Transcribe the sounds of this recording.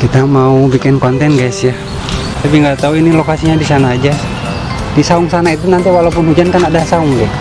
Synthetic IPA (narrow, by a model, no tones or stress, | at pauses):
kit̪amaubikɪnkɔnt̪ɛnɡajsja | t̪apiŋɡat̪auinilokasiɲadisanaːd͡ʒa | disauŋsanait̪unant̪iwalaup̬ʊnhud͡ʒankanadasaʊŋɡɛʔ